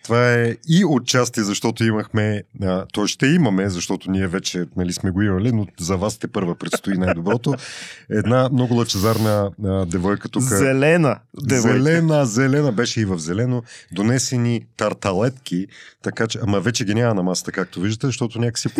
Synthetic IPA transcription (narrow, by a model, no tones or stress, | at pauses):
t̪ovaɛiot̪̚t͡ʃast̪iɛzɐʃt̪ɔt̪oimɐxmɛət̪ɔjʃt̪ɛimɐmɛzɐʃt̪ɔt̪oniɛvɛt͡ʃɛnɐlismɛɡoimɐlinozɐvast̪ɛpɤɾvəpɾɛt̪st̪oinajd̪obɾɔt̪oɛd̪namnɔɡʊlˠɐt͡ʃɛzaɾnəd̪ɛvɔjkət̪uzəɛlɛnəd̪zɛɛlɛnəzɛlɛnəbɛʃɛivɐvzɛlɛnod̪onɛsɛnit̪ɐɾt̪ɐlɛt̪kʰʲit̪ɐkat͡ʃɛamɐvɛt͡ʃɛɡʲinʲamɐnɐmasə̥t̪əkak̚t̪oviʒd̪ət̪ɛzɐʃt̪ɔt̪onʲakə̥ksi